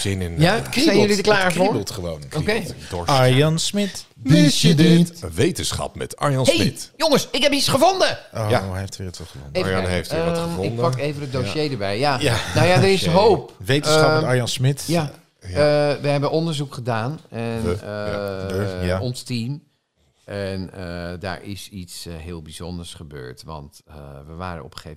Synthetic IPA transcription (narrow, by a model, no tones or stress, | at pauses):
z̥ɪnɪnjasɛjəlidəklaːɹvoɹblˠtχəʋownəkoiked̥ɔɹaɹjɑnsmɪt | ədʋejtənsχɑ̰pmɛ̰tɑ̰ɹjɔnhejmɪtjoŋəsɪkɦɛpisχəvondəʔojaeftːətʋɛlˠχəvɔ̰neejftɪnd̚əpɑkejvənədoʃejdəɹbɛjjajanowjadərɪsɦoːpʋejtsɑɑɹjansmɪtja | əʋəɦɛbənɔndəɹzukχədaːnɛn | aɔnstim | ʔɛnəda̰ːɹʔɪ̰sitsɦɪːlˠbiz̥ɔndəɹsχəbø̰ːɹtʋɑ̰ntʋəʋa̰ːɾə̰ɔ̰pχe